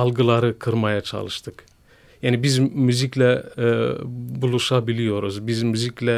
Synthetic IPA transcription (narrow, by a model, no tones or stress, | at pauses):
ɑlˠɡɯlˠaɾɯkʰɯɾmajat͡ʃʰa̰lˠɯʃt̪ʰɯk | jaːnibizmyziclʲɛ | bulˠuʃabilʲijo̞ɾuzbizmyziclʲɛ